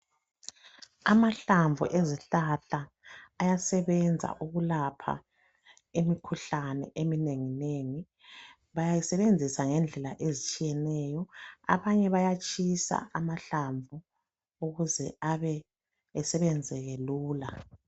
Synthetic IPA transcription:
amaɬaɱvʱṵʔeziɬaɬaː | jasɛβɛnd͡zʱa̰ʔuɣulapʰa̰ | emikʰuɬanɛ̰ʔemineŋineŋi | βajajisɛβend͡zʱisaŋɛnd͡ɮʱɛla̰ʔezit͡ʃʼijɛnɛjɔa̰βaɲɛβajat͡ʃʼisa̰ʔamaɬaɱvʱu | uɣuzɛ̰aβɛː | sɛβɛnd͡zʱɛɣeluːla

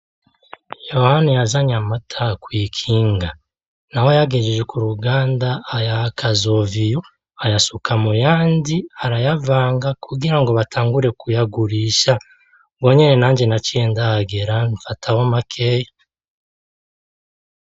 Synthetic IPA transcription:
jo̞hanijazaɲamatʰakwiːkʰiːŋɡa | nawojaɡeʒeʒekuɾuɡaːndaːjakʰazo̞vijo | ajasukʰamujaːndiaɾajavaːŋɡakʰuɡiɾaŋɡo̞βatʰaːŋɡuɾe̞kujaɡuɾiːʃa | bwo̞ɲene̞naːɲd͡ʒe̞naciendahaɡeɾaɱfatʰahomakʰeːja

